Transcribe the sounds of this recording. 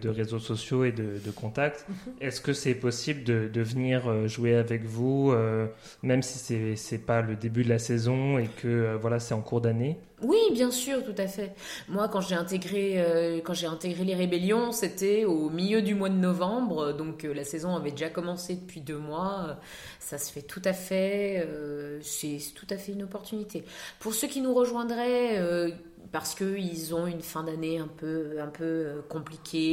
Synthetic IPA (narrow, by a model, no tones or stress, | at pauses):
d̪əʁezosɔsjoed̪əd̪əkɔ̃t̪ak̚t̪ɛskəsɛpɔsibləd̪əd̪əvəniʁøʒuweavɛkvuø | mɛmsi̥sɛsɛpaləd̪ebyd̪əlasɛzɔ̃ekʰəøvwalasɛɑ̃kuʁd̪ane | wibjɛ̃syːʁt̪ut̪afɛ | mwakɑ̃ʒeɛ̃t̪eɡʁeøkɑ̃ʒeɛ̃t̪eɡʁeleʁebeljɔ̃set̪ɛomiljød̪ymwad̪ənɔvɑ̃bʁəd̪ɔ̃kølasɛzɔ̃avɛd̪eʒakɔmɑ̃sed̪əpɥid̪ømwaø | sasə̥fɛt̪ʰut̪afɛøsɛsɛ̥t̪ʰu̥t̪afɛynɔpɔʁt̪ynit̪ʰepuʁsøkʲinuʁəʒwɛ̃d̪ʁɛø | paʁsə̥kəilzɔ̃ynfɛ̃d̪aneɛ̃pøɛ̃pøøkɔ̃plikʲʰe